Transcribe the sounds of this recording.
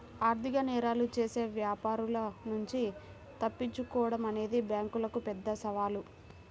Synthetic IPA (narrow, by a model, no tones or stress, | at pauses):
aːɾt̪ikɐnɛːɾaːlut͡ʃe̞ːse̞ːʋjaːpaːɾulɐnuɲt͡ʃi | t̪ɐpːiɲt͡ʃːukɔːʋɐɽɐmɐne̞ːd̪ibjaːŋkulɐkupɛd̪ːɐsɐʋaːlu